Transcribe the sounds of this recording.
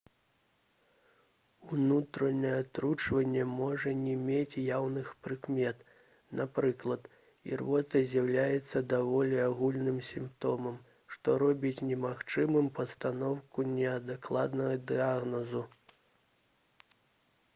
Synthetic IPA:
unut̪ɾɐnɐjɛat̪ɾut͡ʂvɐnʲːɛmɔʐɐnʲɛmʲet͡sʲjawnɨxpɾɨkmʲɛt̪ | napɾɨklˠɐt̪ | ḭrvɔt̪ɐzʲjawlʲajɛt̪sːɐd̪avɔlʲiaɣulʲnɨmsʲimpt̪ɔmɐm | ʂt̪ɔɾɔbʲit͡sʲnʲɛmaxt͡ʂɨmɨmpɐst̪anɔwkunʲɛɐd̪ɨklˠad̪nɐɣɐd̪ɨaɣnɔzu

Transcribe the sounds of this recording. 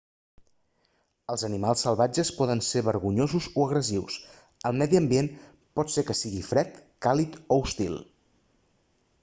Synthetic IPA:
əlˠzənimalˠsːəlˠβad͡ʒəspɔðənseβəɾɣuɲozuzoəɣɾəziws | əlˠmɛðiəmbien | pɔt̪sekəsiɣifɾɛt̪kalit̪oust̪ḭlˠ

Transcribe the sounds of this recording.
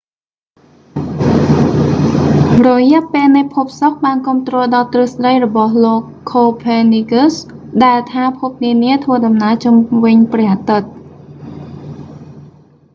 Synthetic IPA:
rɔjɛ̆əʔpeːlnɨjpʰup̚sok̚ɓaːnkŭəmt̪rɔːlɗɑːt̪rɨhsɗəjrɔɓɑhloːkʰːoːpʰeniɡusɗaɛlt̪ʰaːpʰup̚niəniət̪ʰʋəəɗɑmnaəlt͡ɕumʋɨɲprɛ̆əhʔat̪ɨt̪̚

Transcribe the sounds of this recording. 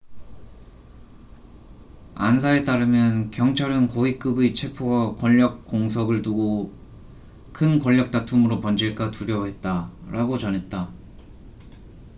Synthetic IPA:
a̰nsʰae̞t͈aɾɯmjʌnkjʌŋt͡ɕʰaɾɯnkʌik͈ɯbit͡ɕʰe̞pʰoɡak͈wʌʎːʌk̚k͈oŋsʰʌɡɯɭtuɡo | kʰɯnkʌʎːʌk̚t͈atʰumɯɾopʌnd͡ʑiɭk͈atuɾjʌɦe̞t̚t͈aɾaɡot͡ɕʌnɦe̞t̚t͈a

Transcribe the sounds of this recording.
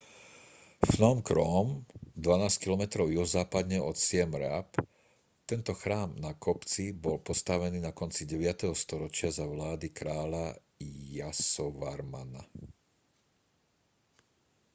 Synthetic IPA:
fnɔmkɾɔmd̪ʋanaːskilɔmɛt̪ɾɔʊjɔzaːpad̪ɲɛɔt̪sɪɛmɾa̰p | t̪ɛnt̪ɔxɾaːmnakɔpt͡sibɔlpɔst̪aʋɛniːnakɔnt͡siɟɛʋɪat̪ɛɦɔst̪ɔɾɔt͡ʃɪazaʋlaːd̪ikɾaːla | jasɔʋaɾma̰na̰

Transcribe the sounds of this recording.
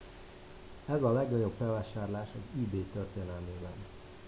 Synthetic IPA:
ɛzɒlɛɡnɒɟo̞bfɛlvaːʃaːrlaːʃɒziːbeːt̪ørt̪eːnɛlmeːbɛn

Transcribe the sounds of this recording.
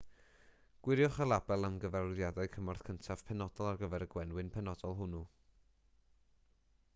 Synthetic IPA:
ɡ̥wɪɾjɔχəlˠabɛlˠəmɡəvɛrðjadaɨkʰəmɔrθkʰəntʰav̥pʰɛnɔd̥ɔlˠarɡəvɛɾəɡwɛnwɨnpʰɛnɔdɔlˠɦʊnu

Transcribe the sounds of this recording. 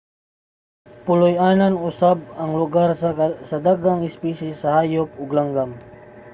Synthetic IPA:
pʊlʊjananʊsab̚ɐŋlʊɡaɾsɐd̪aɡaŋɪspisisɐhaːjop̚ʊɡlaŋɡam

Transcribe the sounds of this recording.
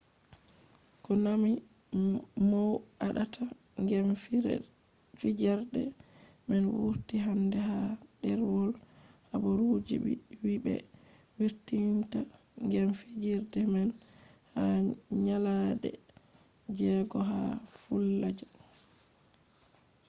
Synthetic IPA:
kɔnami | mɔwaɗatʰaŋɡɛm | fid͡ʒɛɾdɛ̰ | mɛnwṵɾtiɦandɛhadɛɾwɔlhabɔɾud͡ʒḭ | wibɛ̰ | wiɾtiwimta | ŋɡɛmfid͡ʒiɾdɛmɛn | haɲalaɗɛ̰ | d͡ʒɛɡɔɦafulːad͡ʒɔ

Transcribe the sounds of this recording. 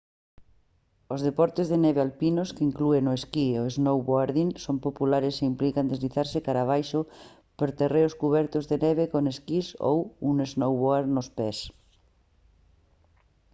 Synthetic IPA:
ozðepɔɾt̪ezðeneβealpinoskeiŋkluenoeskioeznowβoaɾðiŋsompopulaɾeseimplikand̪ezliθaɾsekaɾaβ̞ajʃo | peɾt̪ereoskuβ̞ɛɾt̪ozðeneβ̞ekoneskiso̰wuneznowβoaɾnospes

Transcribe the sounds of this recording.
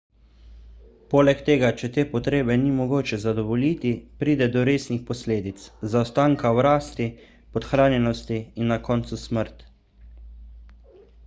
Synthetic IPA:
poːlɛkt̪eːɡat͡ʃɛt̪eːpɔt̪ɾeːbɛnimɔɡoːt͡ʃɛzad̪ɔʋɔlit̪ipɾiːd̪ɛd̪ɔɾeːsnixpɔsleːd̪it̪szawst̪aːŋkawɾaːst̪i | pɔt̪xɾaːnjɛnɔst̪iinːakɔːnt̪susməɾt̪

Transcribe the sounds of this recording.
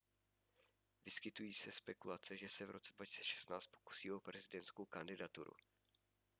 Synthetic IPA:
vɪskɪt̪ujiːsɛspɛkulat͡sɛʒɛsɛvɾʔo̞t͡sɛdvaci̥st͡sɛʃɛ̥st̪naːt͡st̪po̞̥ku̥siːo̞pɾɛzɪdɛnt̪skowkandɪdat̪ṵɾṵ

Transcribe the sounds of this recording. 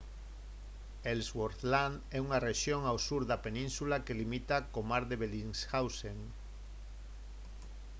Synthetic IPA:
elswoɾθlanɛuŋareʃjoŋawsuɾðapenĩnsulakelimit̪akomaɾðeβeliŋsxawseŋ

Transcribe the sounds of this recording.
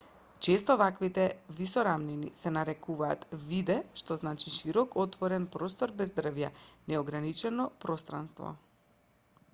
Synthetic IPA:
t͡ʃest̪ɔvakvit̪ɛvisɔɾamninḭsɛnaɾɛkuva̰ːt̪vid̪ɛʃt̪ɔznat͡ʃiʃiɾɔkɔt̪vɔɾɛnpɾost̪ɔɾbɛzd̪rvjanɛɔɡɾanit͡ʃɛnɔpɾɔst̪ɾa̰nst̪vɔ̰

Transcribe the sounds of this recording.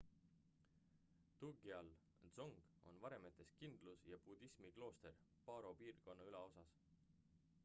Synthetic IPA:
t̪uɡiɑl | z̥oŋɡ̥o̞̰nvɑɾe̞met̪ːˑe̞skind̪̥lusjɑpud̪̥ismiɡ̥lo̞ːst̪e̞r | pɑːɾo̞piːrko̞nːɑyleo̞sɑs

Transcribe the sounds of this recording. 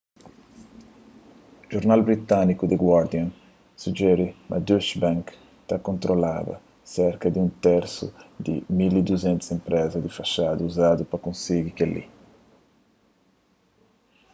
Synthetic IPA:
ʒoɾnalbɾit̪anikud̪ɪɡwaɾd̪iãn | sud͡ʒɛɾɪmʔa̰d̪uʃbãŋk | t̪akõnt̪ɾola̰ðɐ̰ | sɛɾkɐd̪ũnt̪ɛɾsṵd̪ɪ̰milid̪uzɛ̃nt̪usẽmpɾɛzɐd̪ifaʃad̪uːzad̪upɐkõnsiɡikelḭ

